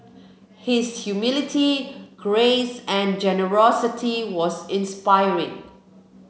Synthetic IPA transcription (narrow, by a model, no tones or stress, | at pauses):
hɪshjumɪlɪtʰiɡ̥ɹesɛ̃nd͡ʒɛnəɹɔsɪtʰiwɔsɪ̃nspaɪɹɪ̰̃ŋ